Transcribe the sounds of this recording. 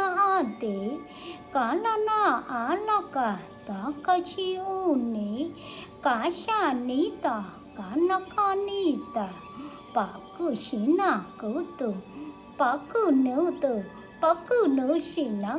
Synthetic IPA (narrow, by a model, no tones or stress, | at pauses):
aat̪e | kananaalaka | t̪akat͡ʃionikaɕanit̪a | kanakanit̪a | pakuɕinakut̪u | pakunut̪u | pakunuɕina